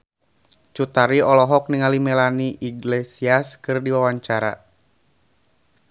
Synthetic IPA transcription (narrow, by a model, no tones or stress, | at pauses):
t͡ʃut̪aɾiɔlɔɦɔk̚niŋalimɛlaniʔiɡlesiaskɨrdiwawaɲt͡ʃaɾa̰